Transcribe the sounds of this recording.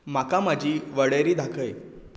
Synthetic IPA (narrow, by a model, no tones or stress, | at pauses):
makamad͡ʑʱiːʋəɽəɾiːd̪ʱakʰəj